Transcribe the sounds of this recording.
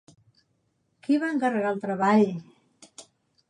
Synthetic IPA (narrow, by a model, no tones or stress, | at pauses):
kiβaəŋkərəɣalˠt̪ɾəβaʎ